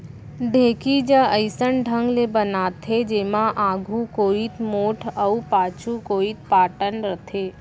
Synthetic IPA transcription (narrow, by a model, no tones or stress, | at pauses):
ɖʱeːkid͡ʒəəɪsənɖʱə̃ŋɡlebənaːt̪ʰed͡ʒeːmãʔaːɡʱukoːit̪moːʈʰəupaːt͡ʃʰukoːit̪̚paːʈənɾət̪ʰeː